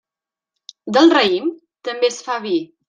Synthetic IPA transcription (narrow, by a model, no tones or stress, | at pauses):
d̪əlˠrəim | t̪əmbesfaβi